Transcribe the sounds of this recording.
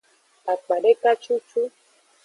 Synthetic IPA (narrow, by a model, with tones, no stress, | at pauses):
a˨k͡pa˨ɖe˦ka˦t͡ʃu˦t͡ʃu˦